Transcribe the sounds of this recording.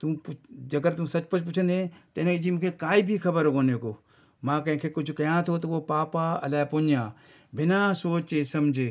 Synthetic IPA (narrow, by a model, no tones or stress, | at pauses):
t̪upd͡ʒɐɡəɾt̪ʊ̃msɐt͡ʃpɐt͡ʃʰp̬ʊt͡ʃʰə̃nd̪ẽt̪ɐɪnẽd͡ʒimũːkʰeːkaːibʱikʰɐbəɾkoːnekoː | mãːkɐɦɪ̃kʰeːkʊt͡ʃʰkɐjãːt̪ʰoːt̪oʋopaːpaɐ̰laːpoːɲjãː | bɪnãːsoːt͡ʃeːsɐmd͡ʒʱeː